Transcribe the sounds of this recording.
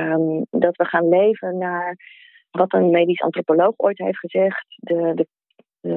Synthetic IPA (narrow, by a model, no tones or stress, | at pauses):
mdɑtʋəχaːnlejvənaːɹ | ʋɑtənmejdisɑ̰ntropolowχo̰jtɦejftχəzɛχtdədə | ə